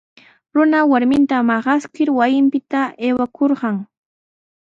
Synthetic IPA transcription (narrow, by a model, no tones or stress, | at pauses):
ɾʊnawaɾmɪnt̪amɑɢɑskɪɾwajɪmpɪt̪aʔeːwakʰoɾɢɑŋ